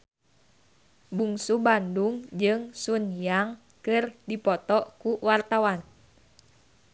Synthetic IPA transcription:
buŋsubanduŋd͡ʒɨŋsunjaŋ | kɨrdipɔt̪ɔkuwart̪awan

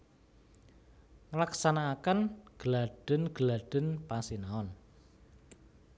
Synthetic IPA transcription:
ŋlaksanaːkənɡ̥laɖ̥ə̤nɡ̥əlaɖ̥ə̤npasinaɔn

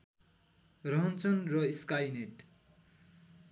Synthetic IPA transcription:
rʌɦʌnt͡sʌnrʌiskajneʈ

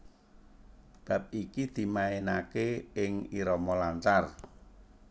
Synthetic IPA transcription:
b̥a̤p̚ikid̪̥i̤maenakeɪŋiɾɔmɔlaɲt͡ʃar

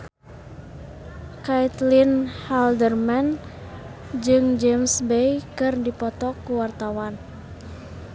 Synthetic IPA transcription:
kajt̪linhaldərman | d͡ʒɨŋd͡ʒemsbejkɨrdipɔt̪ɔkuwart̪awan

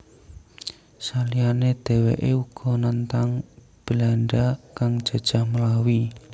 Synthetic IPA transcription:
salijaned̪̥e̤wḛʔeuɡ̥ɔ̤nant̪aŋ | b̥əlaɳɖakaŋ̥ʒ̥a̤d̥ʒ̥a̤hməlawi

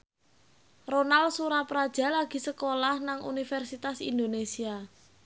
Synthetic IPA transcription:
ronalsuɾapɾad̥ʒ̥a̤laɡ̥i̤səkolahnaŋʔṵnifɛrsit̪asḭnd̪onesia

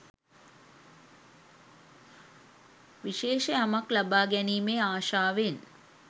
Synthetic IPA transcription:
ʋiʃeːʃeamɐklɐbaːɡɛniːmeːaːʃaːʋen

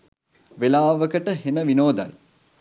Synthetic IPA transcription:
ʋelaːʋəkəʈəɦenəʋinoːd̪a̰l

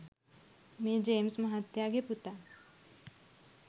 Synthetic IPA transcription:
mẽd͡ʒeːmsmɐɦat̪jaɡeput̪a

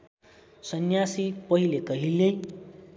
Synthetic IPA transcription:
sʌnjasipʌɦilekʌɦilej

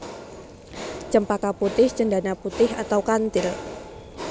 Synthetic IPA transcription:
t͡ʃəmpakaput̪ɪht͡ʃəɳdanaput̪ɪha̰t̪awkant̪ɪl

